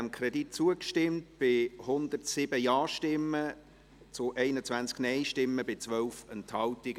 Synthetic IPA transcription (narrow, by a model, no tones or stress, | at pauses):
mkʰrɛdit̚t͡suəkʃtɪmt̚b̥ɪhʊnd̪ərtsɪb̥əjɑːʃtɪmːə | t͡sʊʔɛɪnət͡svænt͡sknɛɪʃtɪmːəbɪt͡sʋœlfɛnthɑltiɡ